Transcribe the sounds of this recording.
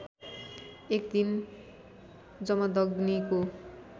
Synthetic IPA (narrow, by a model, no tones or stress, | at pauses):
ekd̪in | d͡zʌmʌd̪ʌɡniko